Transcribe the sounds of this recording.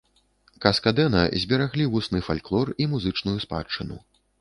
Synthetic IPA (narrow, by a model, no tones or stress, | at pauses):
kɐskad̪ɛnɐ̰zʲbʲɛɾaɣlʲivusnɨfalʲklˠɔrimuzɨt͡ʂnujuspa̰t͡ʂːɨnṵ